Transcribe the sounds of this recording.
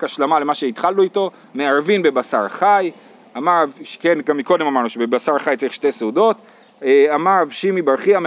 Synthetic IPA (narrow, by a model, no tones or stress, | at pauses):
kaʃlamale̞maʃe̞it̪χalnuito̞ | meaʁvinbe̞basaʁχaj | amaʁvʃkenɡamːiko̞d̪emamaʁnuʃebebasaʁχajt͡saʁiχʃte̞jseudo̞t | amaʁvʃimibaʁχiam